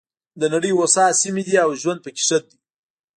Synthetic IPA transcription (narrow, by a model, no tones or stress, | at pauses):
d̪ənaɽəjwosɑsimid̪iawʒwand̪̚pəkɪ̥ʂət̪̚d̪i